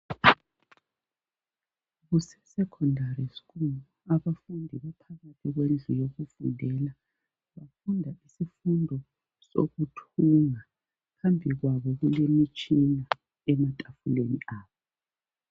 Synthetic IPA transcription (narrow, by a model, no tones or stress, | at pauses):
ɣusɛsɛkʰɔndʱarisi̥ɣuluaβafundʱiβapʰaɣatʰiɣwend͡ɮʱujoɣufundʱɛla | βafundʱaisifundʱɔ | so̰ɣutʰuŋa | ɣambʱiɣwaβɔɣulemit͡ʃʼina | ɛmatʼafuleniʔaːβɔ